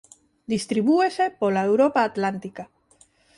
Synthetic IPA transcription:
d̪ist̪ɾiβ̞uesepolaewɾopaːt̪lant̪ika

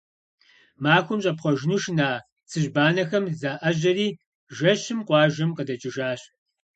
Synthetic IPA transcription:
maːxʷʊmɕʼɐpχʷɔʒɪnuːʃnaː | t͡sʰɨʒbaːnɐxɐmzaːʔɐʑɐriː | ʒɐɕɪmqʷɑːʒɐmqədɐt͡ʃʼɪʒaːɕ

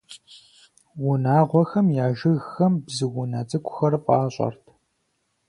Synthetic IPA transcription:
wʊnaːʁʷɔxɐmjaːʒɨɣxɐmbzɨwʊnɐt͡sʼɨkʷʰʼʊ̥xɐrfʼɑːɕʼɐ̰rtʰ

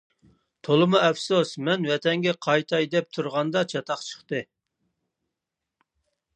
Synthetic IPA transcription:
t̪ʰolˠɨmuɛfsusmɛnwɛt̪ʰɛŋɡʲɛqʰɑjt̪ʰɑjd̪ɛp̚t̪ʰuɾʁɑnd̪ɑt͡ʃʰɑt̪ʰɑχt͡ʃʰə̥χt̪ɨ

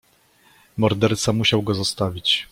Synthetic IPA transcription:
mɔɾd̪ɛɾt̪samuɕawɡɔzɔst̪avʲit͡ɕ

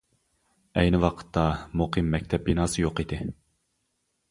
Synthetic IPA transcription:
ɛjnɪwɑqʰə̥t̪ʰːɑmuqʰɨmːɛk̚ʲt̪ʰɛp̚binɑːsɨjoqid̪ɪ

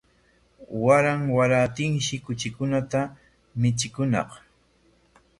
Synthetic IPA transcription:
waɾaŋwaɾat̪ɪŋʃɪkʊt͡ʃɪkʊnat̪a | mɪt͡ʃɪkʊnɑ̰q

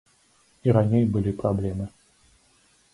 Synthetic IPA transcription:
iɾanʲejbɨlʲipɾablʲɛmɨ

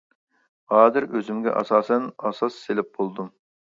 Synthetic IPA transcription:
hɑːd̪ɪɾøzɪmɡʲɛ̰ʔɑ̰sɑːsɛnɑsɑsːelɪp̚bolˠd̪um

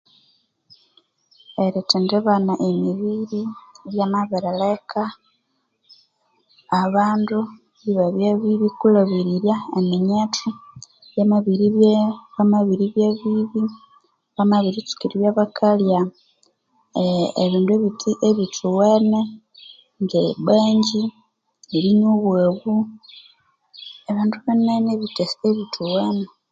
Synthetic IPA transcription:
eɾetendeβanaʔemiβiɾiβjamaβeɾelekʰa | βaːndu | βiβaβjeβiβikulaβiɾiɾjaemiɲetʰu | jamaβiɾiβeβamaβiɾiβjeβiβi | βamaβiɾit͡ʃu̥kiɾiβjaβakʰalja | ḛβiːndueβitieβitʰuwene | ŋɡeβeːɲɟi | iliɲuβweːβu | eβaːnduβeneneβiteseβitʰuwene

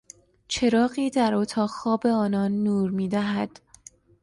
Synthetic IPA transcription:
t͡ʃʰe̞ɾɒːɢiːd̪æɾot̪ʰɒːxɒːbe̞ɒːnɒːnːuːɾmiːd̪æɦæd̪̥

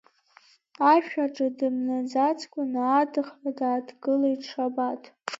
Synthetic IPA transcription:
aʃᶣaʈ͡ʂʼɨdɨmnazat͡sʰʼkʷʼʊnːdɨχradaːdɡɨlaiʂʰabatʰʼ

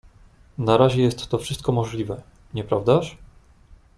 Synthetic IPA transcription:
naɾaʑɛjɛst̪ːɔfʂɘst̪̚kɔmɔʐlʲivɛ | ɲɛpɾavd̪aʂ

